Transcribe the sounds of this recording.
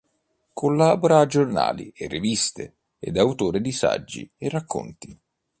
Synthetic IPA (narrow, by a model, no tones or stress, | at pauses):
kʰolːaːboɾaːd͡ʒːorna̰ːlierːevist̪ḛ | ed̪awt̪oːɾɪd̪isa̰d͡ʒːḭerːakʰːo̰nt̪i